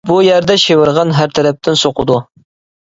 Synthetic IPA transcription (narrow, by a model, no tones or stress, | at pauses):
bujæɾd̪æʃevɨɾʁɑnɦæɾt̪ʰæɾæp̚t̪ʰɪnsoqʊd̪u